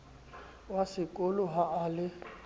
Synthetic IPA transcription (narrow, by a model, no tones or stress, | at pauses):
wasɪkʼolʊɦaːlɪ